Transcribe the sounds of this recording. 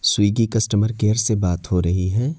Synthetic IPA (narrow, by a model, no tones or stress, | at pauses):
swiːɡikɐsʈəməɾkeːəɾsebaːt̪hoɾɐɦiɦɛ̃ː